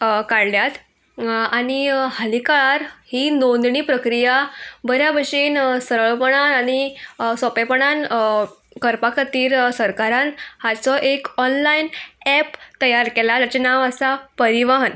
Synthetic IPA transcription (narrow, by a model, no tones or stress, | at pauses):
kaɽljat̪ | aɽ̃ihəlikaɭaɾhinond̪ɳiːpɾəkɾijabəɾjabəʂiːnsəɾəɭpəɳ̃anañisɔpepəɽ̃an | kəɾpakʰət̪iːɾsəɾkaɾanhat͡sɔʔekɔnlainɛpt̪əjaɾkelaat͡ɕenaʋəsapəɾiʋaɦən